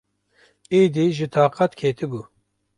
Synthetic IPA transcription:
iːd̪iʒɨt̪ʰɑːqat̪kʰeːt̪ʰɨbu

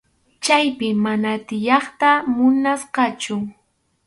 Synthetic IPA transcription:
t͡ʃajpɪmanat̪ɪjɑχt̪amʊnasqɑt͡ʃʊ

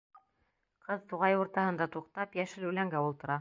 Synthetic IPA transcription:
qʰɤðt̪uʁɑjuɾt̪ɑhɤ̆nd̪ɑt̪uqt̪ɑpjæʃɘlʉlæŋɡæulˠt̪ɤ̆ɾɑ

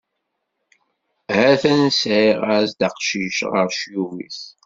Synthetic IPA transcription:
hæθænsʕiʁaɾsd̪aqʃiʃʁəɾʃjuwḭθ

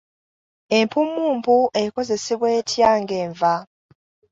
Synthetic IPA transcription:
e̞mpumːuːmpuʔe̞ko̞ze̞seβwe̞ːtjaːŋɡe̞ːɱva

